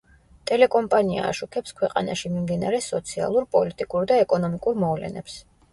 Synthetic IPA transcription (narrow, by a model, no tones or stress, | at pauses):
t̪ʼɛlɛkʼɔmpʼania̰ːʃukʰɛpskʰwɛqʼanaʃimimd̪inaɾɛsɔt̪sʰia̰lˠuɾpʼɔlit̪ʼikʼuɾd̪aɛkʼɔnɔmikʼuɾmɔvlɛ̰nɛps